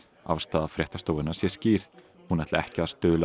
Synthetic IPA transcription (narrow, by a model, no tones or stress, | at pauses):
a̰v̥st̪aːðafɾjɛht̪ast̪oːwvɪnaɾ̥sjɛsciːɾ̥ | hunɛht̪laɛhcɪaðst̪œːðʏl